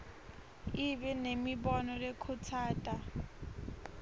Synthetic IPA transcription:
ibɛnemibɔnɔlɛkʰʊtʰaːtʼa

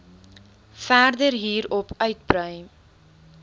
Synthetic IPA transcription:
færdərɦiːɾɔpœɥt̚prəj

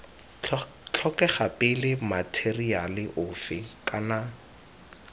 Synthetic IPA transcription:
t͡ɬʰɔkɛχapɪlɪmatʰerialɪʔʊːfɪkʼana

